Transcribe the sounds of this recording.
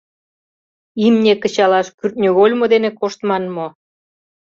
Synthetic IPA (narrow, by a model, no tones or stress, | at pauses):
imnʲekə̆t͡ɕɑlɑʃkyrt̪̚ʲnʲøɣolʲmod̪enekoʃt̪mɑnmo